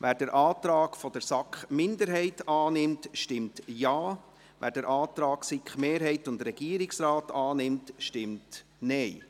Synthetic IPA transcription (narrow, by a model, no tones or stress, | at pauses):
ʋæːɾdəɾʔɑːtɾɑːkfɔdəɾsɑkχmɪndəɾɦɛɪtɑːnɪmtʃtɪmtjɑː | ʋæ̰ːɾdəɾʔɑːt̪ɾɑːksikχmeːɾɦɛɪtʊndɾɛɡ̥iəɾɪksɾaːtɑːnɪmtʃtɪmtnɛɪ